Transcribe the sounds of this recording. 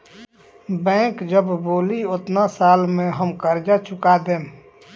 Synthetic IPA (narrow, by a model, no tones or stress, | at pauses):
bɛ̃ːkd͡ʒəbboːliʊt̪nasaːlmẽɦəmkəɾd͡ʒat͡ʃʰʊkad̪eː